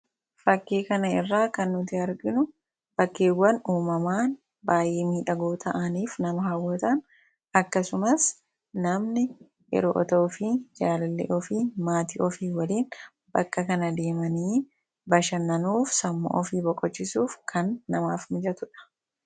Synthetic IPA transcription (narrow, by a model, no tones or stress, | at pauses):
fɐkːeːkɐnɐɪrːaːkɐnːʊt̪ɪɐɾɡɪnʊ | b̥ɐkːeːwːɐnuːmɐmaːn | baːjeːmiːᶑɐɡoːt̪ʰɐʔɐniːfnɐmɐɦɐwːɔt̪ɐn | ɐkːɐsʊmɐs | nɐmnɪ | jɛ̰ɾo̰ʔɔ̰t̪oːfid͡ʒaːlɐlːḛʔɔfiːmaːt̪iːʔɔfiːwɐliːn | bɐkːɐkɐnɐd̪e̞ːmɐniː | bɐʃɐnːɐnuːfsɐmːo̰ʔɔfiːbɔkʼːɔt͡ʃːɪsuːfkʰɐnːɐmaːfmɪd͡ʒɐt̪ʊᶑɐ̥